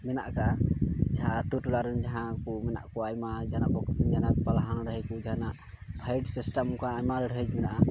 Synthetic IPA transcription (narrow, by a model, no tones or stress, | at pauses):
mɛnaʔkad͡ʒaɦãt̪uʈulaɾənd͡ʒaɦãkumɛna̰ʔkɔajmad͡ʒanabɔkəsənd͡ʒanakpalɦaɳɖəɦəkud͡ʒaɦanaʔ | pʰajɖsisʈamkaːjmaləɽəd͡ʒmɛnaʔa